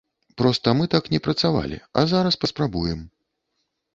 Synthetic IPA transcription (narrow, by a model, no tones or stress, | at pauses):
pɾɔst̪ɐmɨt̪aknʲɛpɾɐt̪sava̰lʲḭɐ̰zaɾɐspɐspɾabujɛm